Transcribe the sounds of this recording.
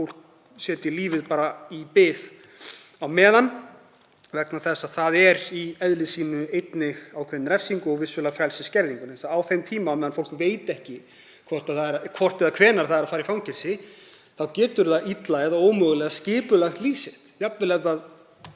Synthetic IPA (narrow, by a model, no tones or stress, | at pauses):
fowl̥k̚ | sjɛːt̪ɪliːvɪðpaːɾaipɪð | awmɛːðan | vɛknaθɛsːaðθaðɛɾiɛðlɪsiːnʏejt̪nɪɣawkʰvɛnnɾɛfsiŋkʏɔɣvɪsʏlafɾɛlsɪscɛɾðiŋkʏnɛsaawθejmt̪ʰiːmamɛːðanfowlkveːjt̪ɛhcɪ | kʰvɔr̥t̪aθaɛɾakʰvɔr̥t̪ɛðakʰvɛːnaɾ̥θaðɛɾafaːɾifawŋcɛɾ̥sɪ | θawcɛːt̪ʏɾðaʔit̪laɛðaoːwmœɣlɛɣascɪːpʏlɛxt̪liːsɪt̪jap̪vɪlɛɣðað